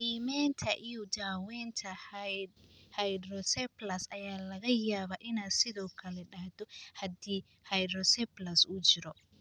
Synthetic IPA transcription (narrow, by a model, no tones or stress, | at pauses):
ʔiːmɛːnt̪ʰɐʔijɔd͡ʒaːwɛːnt̪ʰɐ | hɐjdɾɔsɛplɐsʔɐjaːlɐɣɐjaːβaːʔɪnaːd̪sɪðɔːkʰɐlɛɖɐhd̪ɔhɐd̪iː | hɐjdɾɔsɛplɐsʊt͡ʃɪɾɔ